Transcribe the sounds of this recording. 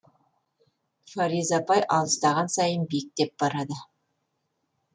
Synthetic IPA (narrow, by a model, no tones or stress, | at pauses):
fɑɾizɑpɑjʔɑlˠəst̪ɑʁɑnsɑjənbiɪk̚t̪e̞p̚b̥ɑɾɑd̪ə